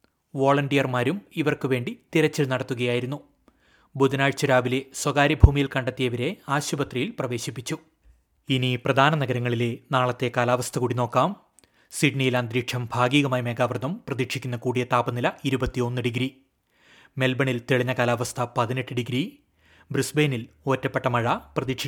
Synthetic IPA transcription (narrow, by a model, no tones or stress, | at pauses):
ʋoːɭɐɳɖijɐrmaːɾumiʋɐrkɨʋe̞ːɳɖit̪iɾɐt͡ɕːɐlnɐɽɐt̪ːuɣɐjaːjiɾunːu | bud̪ɐnaːɻt͡ɕːɐɾaːʋile̞swɐɡaːɾibʱuːmijilkɐɳɖɐt̪ːijɐʋɐɾe̞aːɕubɐt̪rijilprɐʋe̞ːɕipːit͡ɕːu | iniprɐd̪ʱaːnɐnɐɡɐɾɐŋːɐɭile̞naːɭɐt̪ːe̞kaːlaːʋɐst̪ʰɐkuːɽino̞ːkːaːm | siɖɳijiland̪ɾiːkʂɐmbʱaːɡiːɣɐmaːjme̞ːɡaːʋrd̪ɐmprɐðikʂikʲːunːɐkuːɽijɐt̪aːbɐnilɐiɾubɐt̪ːio̞nːɨɖiɡɾi | me̞lbɐɳilt̪eɭiɲːɐkaːlaːʋɐst̪ʰɐpɐðineʈːɨɖiɡɾi | brusbeːnilo̞ːtːɐpːeʈːɐmɐɻɐprɐðikʂi